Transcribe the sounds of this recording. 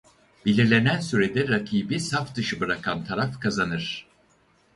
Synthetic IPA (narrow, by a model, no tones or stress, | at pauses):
b̥elʲiɾlʲe̞nænsyɾed̪ɛɾakʰiːbisafd̪ɯʃɯbɯɾakʰant̪ʰaɾafkʰazanɯɾ̥